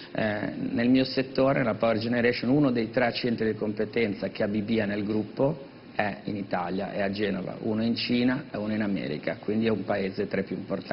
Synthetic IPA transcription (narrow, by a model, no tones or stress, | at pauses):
ɛ̰nelmiːoset̪ːoːɾelapawerd͡ʒeneɾɛʃonunod̪ejt̪ɾɛat͡ʃːɛnt̪ɾid̪ikompet̪ɛnt̪sak̟eabibiːanelɡɾupːo | ɛinit̪a̰lja̰ʔead͡ʒɛːnova̰ʔuːnoint͡ʃiːnaeunoinamɛ̰ːɾḭkakwind̪iɛumpaeːzet̪ɾepjuimport̪